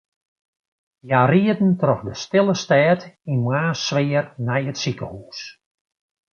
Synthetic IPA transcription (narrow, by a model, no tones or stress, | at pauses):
jariədn̩trɔxdəstɪlˠəstɛːtinmaːsʋɪərnɛjətsikəhuːs